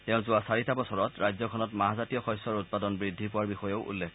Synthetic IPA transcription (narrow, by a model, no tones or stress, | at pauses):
tɛʊ̃zʊasaɹitabɔsɔɹɔtɹajzjɔkʰɔnɔtmaɦazatijɔxɔjsɔɹʊt̚padɔnbɹidʱipʊwaɹbixɔjɔʊʔṵlːɛk